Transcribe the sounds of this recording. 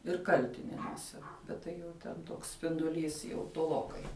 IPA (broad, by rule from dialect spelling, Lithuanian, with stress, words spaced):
ɪr ˈkɐlʲtʲɪnʲɛnuɔsʲɛ bʲɛt ˈtɐɪ jɛʊ tʲɛn ˈtoːks sʲpʲɪndʊˈlʲiːs jɛʊ toːˈlˠoːkɐɪ